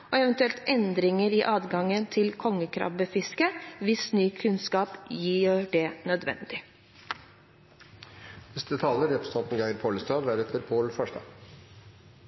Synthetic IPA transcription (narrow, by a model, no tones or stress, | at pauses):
oːɛʋənt̪ʉɛlt̪ɛnd̪ɾɪŋəɾiːʔɑːd̪ɡɑŋənt̪ʰɪlkʰɔŋːəkʰɾɑ̰bəfɪskəʋɪsnyːkʰʉnskɑːpjiːɖɛnœd̪ʋɛ̰nd̪ɪ | nɛst̪ət̪ʰɑːləɾɛpɾəst̪ʰɔnt̪n̩ɡæɪəɾpʰoːləst̪ɑːʋæɾɛt̪ʰəɾpʰoːlfɑʂdɑ̰ː